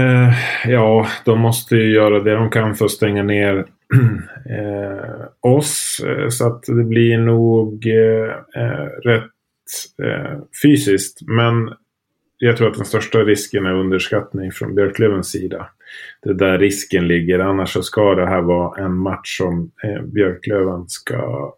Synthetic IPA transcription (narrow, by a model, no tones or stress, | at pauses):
jɑːd̪̥ɔmːɔst̪əjɵjœːɾad̪ɛd̪ɔmkʰanfœɾst̪ɛŋːaneːɾ | ɔssɔat̪d̪ɛblɪɳuːɡ | ɾɛt̪ | fyːsɪskt̪mɛn | jɑɡt̪ʰɾuːɾt̪d̪ɛnst̪œʂʈaɾɪskənæɾɵnd̪əʂkat̪nɪŋfɾɔ̰nbjœɾkʰløːvənsːiːd̪a | d̪̥ɛd̪æɾːɪskənlɪɡːəɾanːaʂɔskad̪ɛɦæːɾvɑːʔɛnmat̪ʂɔmbjœɾkʰløːvanska̰